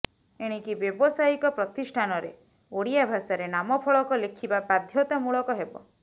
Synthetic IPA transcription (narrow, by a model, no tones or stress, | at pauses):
eɽ̃ikibjɔbɔsajikɔpɾɔt̪isʈʰanɔɾe | oɽijabʱasaɾenamɔpʰɔɭɔkɔlekʰibapad̪ʱjɔt̪amuɭɔkɔɦebɔ̰